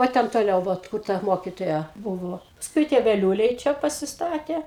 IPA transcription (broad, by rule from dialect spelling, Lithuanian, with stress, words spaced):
ʋɐ ˈtʲɛn toːˈlʲɛʊ ˈʋɐt kʊr ˈtɐ ˈmoːkʲɪtoːjɛ ˈbʊʋoː pɐsˈkʊɪ tʲiɛ ʋʲɛˈlʲuːlʲɛɪ ˈt͡ʃʲɛ pɐsʲɪˈstɑːtʲeː